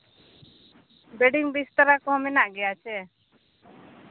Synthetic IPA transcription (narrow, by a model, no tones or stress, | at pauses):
beɖiŋbist̪əɾakɔɦɔminaʔɡɛjat͡ʃʰɛ